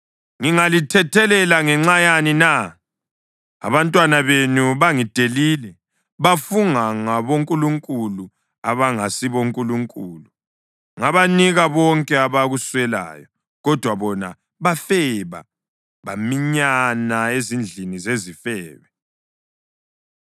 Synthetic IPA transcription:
ŋiŋalitʰɛtʰɛlɛlaŋɛŋ͡ǁajanina | a̰βantʼwanaβenuβaŋid̥ʱeliːlɛ | βafuŋaŋaβoŋkʼuluŋkʼulu | aβaŋasiβoŋkʼuluŋkʼuːlu | ŋaβaniɣaβɔŋkʼɛaβaɣuswɛla̰ːjɔ | ɣɔd̥ʱwaβɔna̰ | βafɛβa̰ | βamiɲanaezind͡ɮʱinizezifɛːβɛ

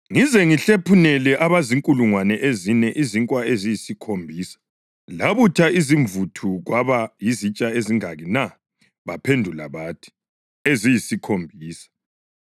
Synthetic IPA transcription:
ŋizɛŋiɬepʰunɛlɛʔaβaziŋkʼuluŋwanɛʔezinɛʔiziŋkʼwaezijisikʰombʱiːsḁ | laβutʰaiziɱvutʰuɣwaβajizit͡ʃʼaeziŋaɣina | βapʰendʱula̰βatʰi̥ | ezijisikʰombʱiːsḁ

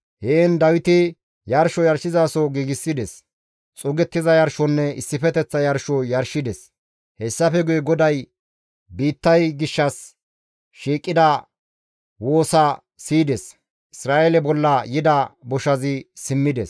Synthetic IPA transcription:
heːnd̪ɐwɪt̪ɪ | jɐɾʃɔjɐɾʃɪzaːsɔɡiːɡɪsːɪd̪ɛs | t͡sʼʊɡɛt̪ːɪzɐjɐɾʃɔnːɛɪsːɪfɛt̪ɛt͡sːɐjɐɾʃɔjɐɾʃɪd̪ɛs | hɛsːɐfɛɡʊjɛɡɔd̪ɐj | biːt̪ːɐjɡɪʃːɐs | ʃiːkʼːɪd̪ɐ | wo̞ːsɐ | siːd̪ɛs | ʔɪsɾaːʔɛlɛbɔlːɐjɪd̪ɐbɔʃɐzɪsɪmːɪd̪ɛs

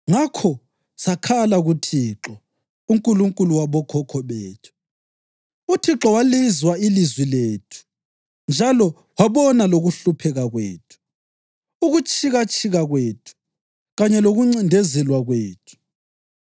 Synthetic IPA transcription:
ŋakʰɔ | sakʰalaɣutʰiǁɔ | uŋkʼuluŋkʼuluwaβɔkʰɔkʰɔβeːtʰu̥ | utʰiǁɔwalizwailizwileːtʰu̥ | nd͡ʒʱalɔ | waβɔnaloɣuɬupʰɛɣaɣwḛːtʰu̥ | uɣut͡ʃʼʰiɣat͡ʃʼiɣaɣweːtʰu̥ | ɣaɲɛloɣuŋ͡ǀindʱɛzɛlwaɣweːtʰu̥

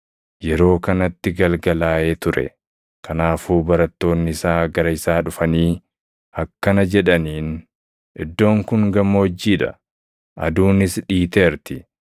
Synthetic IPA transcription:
jɛɾo̞ːkɐnɐt̪ːɪɡɐlɡɐlaːe̞ːt̪ʊɾɛ̰ | kʰɐnaːfuːbɐɾɐt̪ːo̞ːnːɪɪsaːɡɐɾɐɪsaːᶑʊfɐniː | ɐkːɐnɐd͡ʒɛᶑɐniːn | ʔɪd̪ːo̞ːŋkʊŋɡɐmːɐɔd͡ʒːiːᶑɐ̰ | ʔɐ̰d̪uːnɪsᶑiːt̪eːɾt̪ɪ

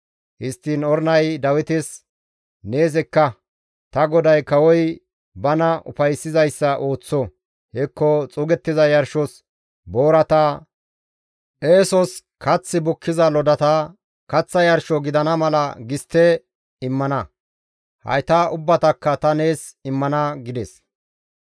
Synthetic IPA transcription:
hɪst̪ːiːnɔɾnɐjd̪ɐwɪt̪ɪs | ne̞ːs̬ɛkːɐ | t̪ɐɡɔd̪ɐjkɐwɔj | bɐnɐʔʊ̰fɐjsːɪzɐjsːɐʔo̞ːt͡sːɔ | hɛkːɔt͡sʼʊɡɛt̪ːɪzɐjɐɾʃɔs | bo̞ːɾɐt̪ɐ | ʔeːsɔs | kɐt͡sːɪbʊkʰːɪzɐlɔd̪ɐt̪ɐ | kɐt͡sːɐjɐɾʃɔɡɪd̪ɐnɐmɐlɐ̰ɡɪst̪ːɛ | ɪmːɐnɐ | hɐ̰jt̪ɐʔʊbːɐt̪ɐkːɐt̪ɐne̞ːsɪmːɐnɐɡɪd̪ɛs

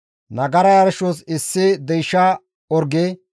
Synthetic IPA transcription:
nɐɡɐɾɐjɐɾʃosɪsːɪd̪ɛjʃa | ɔɾɡe

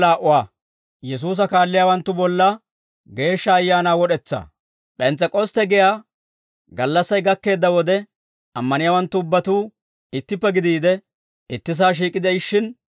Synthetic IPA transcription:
laːʔʊwaː | jɛs̬uːs̬ɐkaːlːɪjaːwɐnt̪ːʊbɔlːɐ | ɡe̞ːʃːɐːjːaːnaːwɔɗɛt͡sːa̰ː | pʼɛnt͡sːɛkʼɔst̪ɛɡɪjaː | ɡɐlːɐsːɐjɡɐkːe̞ːd̪ːɐwɔd̪ɛ | ɐmːɐnɪjaːwɐnt̪ːʊʊbːɐt̪uː | ɪt̪ːɪpːɛɡɪd̪iːd̪ɛ | ɪt̪ːɪs̬aːʃ̬iːkʼɪd̪ɛɪʃːɪn

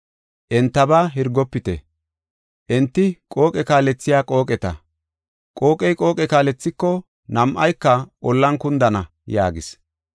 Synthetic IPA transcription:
ʔɛnt̪ːɐbaːɦɪɾɡɔpːɪt̪ɛ̰ | ʔɛnt̪ːɪkʼo̞ːkʼɛkaːlɛt͡sːɪjaːkʼo̞ːkʼɛt̪ɐ | kʼo̞ːkʼɛjkʼo̞ːkʼɛkaːlɛt͡sːɪkːɔ | nɐmʔɐjkːɐʔɔlːɐnkʊnd̪ɐnɐ | ja̰ːɡɪs

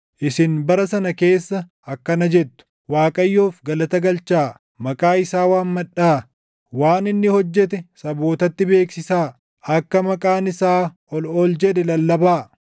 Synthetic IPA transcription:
ʔɪsɪnbɐɾɐsɐnɐke̞ːsːɐ | ɐkːɐnɐd͡ʒɛt̪ːʊ̥ | waːkʼɐjːoːfɡɐlɐt̪ɐɡɐlt͡ʃaː | mɐkʼaːɪsaːwaːnmɐᶑaː | waːnɪnːɪhɔd͡ʒːɛt̪ɛsɐbo̞ːt̪ɐt̪ːɪbe̞ːksɪsaː | ɐkːɐmɐkʼaːnɪsaː | ɔlɔld͡ʒɛd̪ɛlɐlːɐbaː

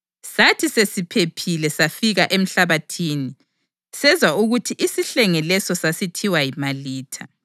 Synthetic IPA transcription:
satʰisesipʰepʰilɛsafiɣaʔem̩ɬaβatʰiːni | sɛzwauɣutʰiʔisiɬɛŋɛlɛsɔsasitʰiwajimaliːtʰa

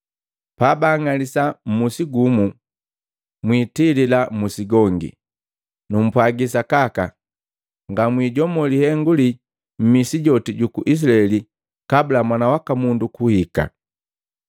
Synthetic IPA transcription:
paːbaŋalisam̩musiɡumu | mwiːtililamusiɡɔŋɡḭ | num̩pwaɡisakaka | ŋɡamwiːɟɔmɔlihɛŋɡuli | m̩misiɟɔtiɟukuʔis̬laɛli | kabulamwanawakamundukuhika̰

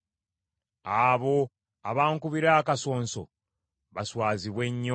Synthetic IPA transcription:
aβo̞ | aβaːŋkuβiɾaːkaso̞ːnso̞̰ | βaswaːziβwe̞ɲːo

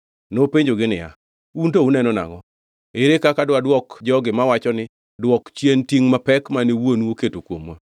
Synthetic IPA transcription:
nopeɲd͡ʒoɡɪnɪ̰ja̰ | untounɛnɔna̰ŋɔ | eɾekakadwadwɔkd͡ʒɔɡɪmawat͡ʃɔnɪ | dwɔkt͡ʃjentiŋmapɛkmanewonoketokwomwa

